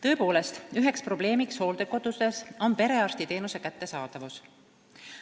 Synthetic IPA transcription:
t̪ɤ̞epo̞ːle̞st̪yɦe̞kspro̞b̥le̞ːmiksho̞ːld̪eko̞d̪̥use̞so̞npe̞ɾe̞ɑrst̪it̪e̞ːnuse̞kæt̪ːe̞sɑːd̪̥ɑvus

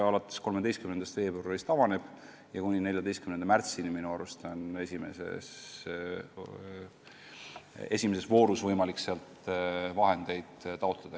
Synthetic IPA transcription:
ɑlɑt̪ːˑe̥sko̞lmed̪e̞jst̪kymnend̪ɑst̪ve̞ːboɾist̪ɑvɑne̞b̥ | jɑkunʲine̞lʲjɑd̪e̞jst̪kymnend̪ɑmært̪siniminuɑɾust̪one̞sʲime̞̰sḛs | e̞sʲimese̞svo̞ːɾusvɤjmɑlikseɑlt̪vɑɦe̞nd̪̥e̞jd̪̥t̪ɑot̪ˑled̪̥ɑ

